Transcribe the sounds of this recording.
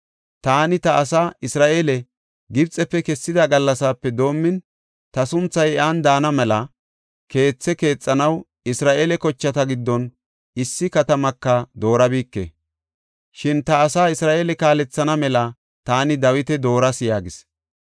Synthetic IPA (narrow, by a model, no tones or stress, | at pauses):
t̪aːnɪt̪ɐʔːsaɪsɾaːʔeːlɛ | ɡɪbt͡sʼɛpːɛkɛsːɪd̪ɐɡɐlːɐsaːpːɛd̪o̞ːmːɪn | t̪ɐsʊnt͡sːɐjɛʔand̪aːnɐmɛlɐ | ke̞ːt͡sːɛke̞ːt͡sʼːɐnɐw | ɪsɾaːʔeːlɛkɔt͡ʃːɐt̪ɐɡɪd̪ːɔn | ɪsːɪkɐt̪ɐmɐkːɐd̪o̞ːɾɐbiːkːḛ | ʃɪnt̪ɐːsaːɪsɾaːʔeːlɛkaːlɛt͡sːɐnɐmɛlɐ | t̪aːnɪd̪ɐwɪt̪ɛd̪o̞ːɾɐsjaːɡɪs